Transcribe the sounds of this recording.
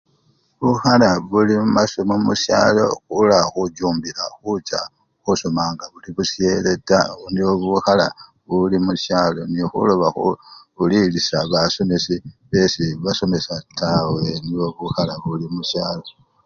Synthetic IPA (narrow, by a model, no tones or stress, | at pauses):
βuxalaβulimumasomomusja̰ːlo̞̰xulaxuɟuːmbiɾaxut͡ʃa̰ | xusomaːŋɡaβuliβusje̞letaniβoβuxala | βulimusjaːlo̞nixṵlo̞βaxuulilisaβaso̞mesiβe̞siβaso̞me̞sataweniβoβuxalaβulimuʃjaːlo̞